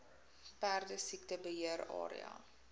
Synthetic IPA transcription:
pærdəsiktəbəɦiəɾɑ̰ːɾḭɑ̰

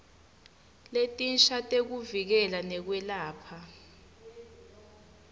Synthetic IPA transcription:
letʼinʃatʼek̬uvik̬ɛlanɛk̬wɛlaːpʰa

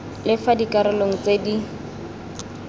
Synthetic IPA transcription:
lɪfadikʼaɾʊloŋ̩t͡sedi

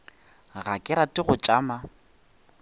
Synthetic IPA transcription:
ɣakʼɪɾatʼɪɣʊt͡ʃʼaːma

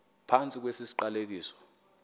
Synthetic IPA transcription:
pʰant͡sʼik̬wesisi̥ǃalek̬iːsɔ̥

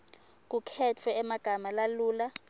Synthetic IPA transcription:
k̬ukʰɛt͡fʰwɛɛmaɡ̥ʱamalaluːla

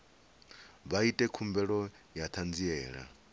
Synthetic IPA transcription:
βaitʼɛkʰumbɛɺɔ | jat̪ʰand͡ziɛːɺa̰

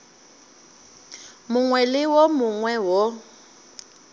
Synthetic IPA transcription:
mʊŋwɛlɪwɔmʊŋwɛwɔ

